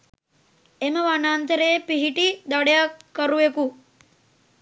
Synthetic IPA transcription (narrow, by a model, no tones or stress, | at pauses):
eməʋanaːnt̪əɾeːpiɦiʈid̪aɽejakːəɾuʋeku